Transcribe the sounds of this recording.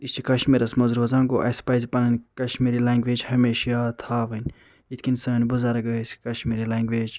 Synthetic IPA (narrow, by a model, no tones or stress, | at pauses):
ist͡ʃikɐʃmiɾɐsmɐzɾuːzãːŋɡoʔɐ̰spaːjzʲipɐnɐnʲkɐʃmiɾilaːŋɡʋeːd͡ʒhɐmeːʃjat̪ʰaːʋɐnʲ | it̪ʰʲkʲinsɐːnʲbuzaɾɐɡɐsʲkɐʃmiɾilaːŋɡʋeːd͡ʒ